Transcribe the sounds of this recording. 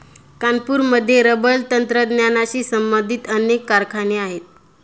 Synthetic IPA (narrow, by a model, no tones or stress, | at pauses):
kanpuːɾməd̪ʱːjeɾəbəlt̪ənt̪ɾəd̪njanaɕiːsəmbənd̪ʱit̪ənekːaɾkʰaneaɦet̪̚